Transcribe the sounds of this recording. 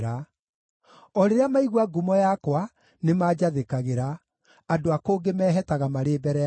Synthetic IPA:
ɾa | ɔɾeɾjamaiɣwaɡumɔjakwa | nemaːd͡ʒaðekaɣeɾa | adoakoːɡemɛːɦɛtaɣamaɾeːbɛɾɛ

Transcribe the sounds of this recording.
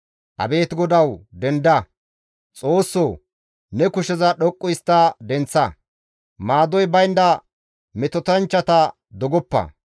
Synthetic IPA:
ʔɐ̰be̞ːt̪ɡɔd̪ɐwd̪ɛnd̪ɐ | t͡sʼo̞ːsːo | nɛkʊʃɛzɐɗɔkʼːʊjst̪ːɐd̪ɛnt͡sːɐ | maːd̪ɔjbɐjnd̪ɐ | mɛt̪ɔt̪ɐnt͡ʃːɐt̪ɐ | d̪ɔɡɔpːɐ̰

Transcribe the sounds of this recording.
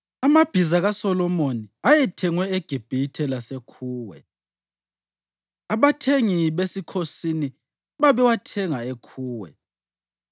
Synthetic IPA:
amab̥ʱizaɣasɔlɔmoniajɛtʰɛŋwɛeɡ̥ʱib̥ʱitʰɛlasekʰuːwɛ̰ | aβatʰeŋiβesikʰosini | βaβɛwatʰɛŋaekʰuːwɛ̰

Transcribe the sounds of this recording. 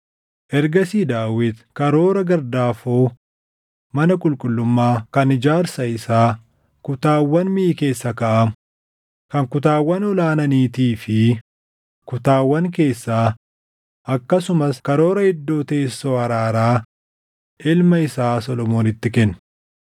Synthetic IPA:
ʔɛɾɡɐsiːd̪aːwɪd̪kɐɾo̞ːɾɐɡɐɾd̪aːfoː | mɐnɐkʼʊlkʼʊlːʊmːaːkɐnɪd͡ʒaːɾsɐɪsaː | kʊt̪aːwːɐnmɪʔɪke̞ːsːɐkɐʔɐm | kɐŋkʊt̪aːwːɐnɔlaːnɐniːt̪iːfɪ | kʊt̪aːwːɐŋk̬e̞ːsːaː | ʔɐkːɐsʊmɐskɐɾo̞ːɾɐhɪd̪ːo̞ːt̪e̞ːsːoːɐɾaːɾaː | ʔɪlmɐɪsaːsɔlɔmo̞ːnɪt̪ːɪkɛnːʊ

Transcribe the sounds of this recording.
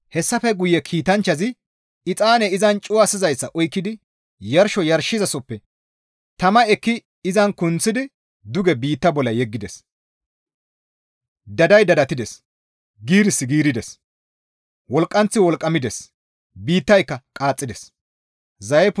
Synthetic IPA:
hɛsːɐfɛɡʊjːɛkʰiːt̪ɐnt͡ʃːɐzɪ | ɪt͡sʼaːnɛɪzɐnt͡ʃʼʊwɐsɪzɐjsːɐʔɔjkːɪd̪ɪ | jɐɾʃɔjɐɾʃɪzɐsɔpːɛ | t̪ɐmɐɛkːɪ | ɪzɐnkʊnt͡sːɪd̪ɪ | d̪ʊɡɛbiːt̪ːɐbɔlːɐjɛɡːɪd̪ɛs | d̪ɐd̪ɐjd̪ɐd̪ɐt̪ɪd̪ɛs | ɡiːɾɪsːɪɡiːɾɪd̪ɛs | wɔlkʼːɐnt͡sːɪwɔlkʼːɐmɪd̪ɛs | biːt̪ːɐjkːɐkʼaːt͡sʼːɪd̪ɛs | zɐjɛp

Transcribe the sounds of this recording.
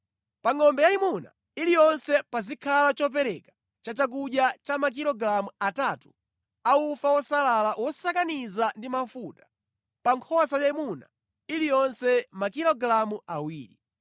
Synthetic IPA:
paŋɔmbɛjaimuna̰ | ilijɔnsɛpazikʰalat͡ʃɔp̬ɛɾɛkḁ | t͡ʃat͡ʃak̬uɗjat͡ʃamak̬ilɔɡɾamuataːtu | aufawɔsalalawɔsakanizandimafutḁ | paŋkʰɔsajaimuna̰ | ilijɔnsɛmakilɔɡɾamuawiːlḭ

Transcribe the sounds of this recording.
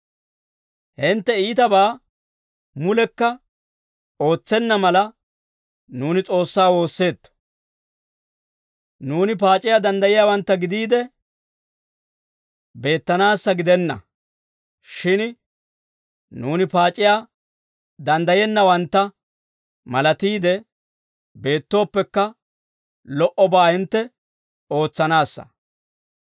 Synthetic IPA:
hɪnt̪ːɛiːt̪ɐbaː | mʊlɛkːɐ | o̞ːt͡sːɛnːɐmɐlɐ | nuːnɪt͡sʼo̞ːsːaːwo̞ːsːe̞ːt̪ːɔ̥ | nuːnɪp̬aːt͡ʃʼɪjaːd̪ɐnd̪ɐjɪjaːwɐnt̪ːɐɡɪd̪iːd̪ɛ | be̞ːt̪ːɐnaːsːɐɡɪd̪ɛnːɐ̰ | ʃɪn | nuːnɪpaːt͡ʃʼːɪjaː | d̪ɐnd̪ɐjɛnːɐwɐnt̪ːɐ | mɐlɐt̪iːd̪ɛ | be̞ːt̪ːo̞ːpːɛkːɐ | lɔʔɔbaːhɪnt̪ːɛ | o̞ːt͡sːɐnaːsːɐ̰

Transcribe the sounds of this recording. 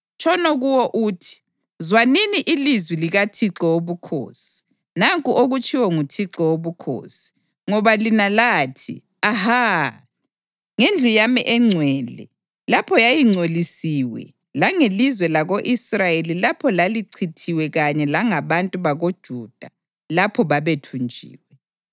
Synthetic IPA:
t͡ʃʰʼɔnɔɣuwɔʔuːtʰi̥ | zwaniniʔilizwiliɣatʰiǀɔoβukʰo̰ːsi̥ | naŋkʼuʔoɣut͡ʃʼʰiwɛŋutʰiǀɔwoβukʰo̰ːsi̥ | ŋɔβalinalaːtʰḭ | aha | ŋend͡ɮʱijamiʔɛŋ͡ǀʱwɛlɛ̰ | lapʰɔjajiŋ͡ǀʱolisiːwɛ̰ | laŋelizwɛlaɣoʔisrajelilapʰɔlaliǀʰitʰiwɛɣaɲɛlaŋaβantʼuβaɣod̥ʒ̥ʱud̥ʱa | lapʰɔβaβetʰund͡ʒʱḭːwɛ

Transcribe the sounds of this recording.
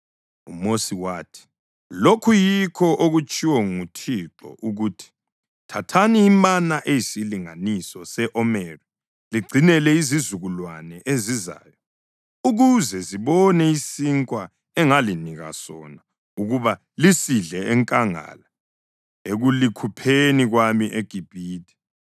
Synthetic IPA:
umosiwaːtʰi̥ | lokʰujikʰɔʔoɣut͡ʃʼiwɛŋutʰiǁɔ̰ʔuɣuːtʰi̥ | tʰatʰaniːmanaʔejisiliŋa̰nisɔsɛʔɔmɛːri | liɡ͡ǀʱinɛlɛizizuɣulwanɛʔeziza̰ːjɔ | uɣuzɛziβɔnɛisiŋkʼwa | ɛŋaliniɣa̰sɔ̰na | uɣuβa | lisiɮɛɛŋkʼaŋa̰la | eɣulikʰupʰeniɣwamiʔeɡ̥ʱib̥ʱiːtʰʼɛ̥

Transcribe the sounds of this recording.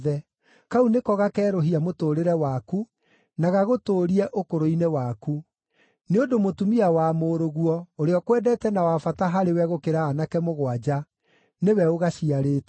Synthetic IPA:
ðɛ | kaunekɔɣakɛːɾoɦiamotoːɾeɾɛwaku | naɣaɣotoːɾiɛʔokoɾoinewaku | neodomotumiawamoːɾoɣuɔoɾeɔkwɛdɛtɛnawafataɦaɾewɛɣokeɾaːnakɛmoɣwad͡ʒa | newɛoɣaʃiaɾeːtɛ

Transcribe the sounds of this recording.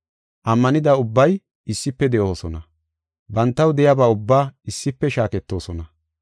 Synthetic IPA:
ʔɐmːɐnɪd̪ɐʊbːɐj | ɪsːɪpːɛd̪ɛʔo̞ːsɔnɐ | bɐnt̪ːɐwd̪ɛjabaːʊbːaːɪsːɪpːɛʃaːkɛt̪ːo̞ːsɔnɐ

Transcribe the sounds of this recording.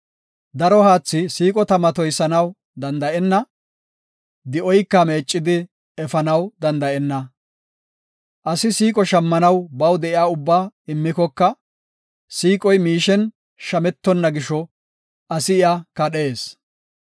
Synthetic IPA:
d̪ɐɾɔhaːt͡sːɪsiːkʼɔt̪ɐmɐt̪ɔjsɐnɐw | d̪ɐnd̪ɐʔɛnːɐ | d̪ɪʔɔjkːɐme̞ːt͡ʃʼːɪd̪ɪ | ɛfɐnɐwd̪ɐnd̪ɐʔɛnːɐ | ʔɐsɪsiːkʼɔʃɐmːɐnɐwbɐwd̪ɛʔɪjaːʊbːaːɪmːɪkɔkːɐ | siːkʼɔjmiːʃɛn | ʃɐmɛt̪ːɔnːɐɡɪʃɔ | ʔɐsɪɪjakɐɗeːs

